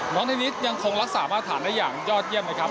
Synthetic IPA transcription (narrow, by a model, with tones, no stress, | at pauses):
nɔː˦˥ŋt̪ʰaː˥˩ni˦˥t̪̚ja˧ŋkʰo˧ŋɾa˦˥k̚saː˩˦maː˥˩t̪ʰːaː˩˦ndaː˥˩jaː˨˩ŋjɔː˥˩t̪̚ji˥˩əmna˦˥˩kʰɾa˦˥p